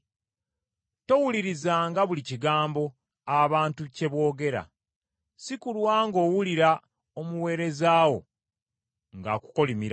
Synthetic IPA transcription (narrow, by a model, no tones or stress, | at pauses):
to̞wuliɾizaːŋɡaβuliciɡaːmbo̞ | aβaːntuce̞βo̞ːɡe̞ɾa̰ | sikulwaːŋɡo̞ːwuliɾa | omuwe̞ːɾe̞zaːwo̞̰ | ŋɡa̰ːku̥ko̞limiɾa